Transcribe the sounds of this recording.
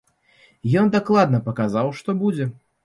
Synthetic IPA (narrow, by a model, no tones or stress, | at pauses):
jɔnd̪aklˠad̪nɐpɐkazawʂt̪ɔbud͡zʲɛ